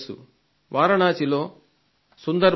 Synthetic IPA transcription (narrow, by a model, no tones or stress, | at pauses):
sṵ | ʋaːɾɐɳaːt͡ʃilo̞ː | sund̪ɐɾ